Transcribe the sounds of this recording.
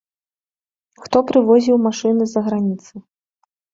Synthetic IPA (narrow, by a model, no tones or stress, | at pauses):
xt̪ɔpɾɨvɔzʲiwmaʂɨnɨzɐɣɾanʲit̪sɨ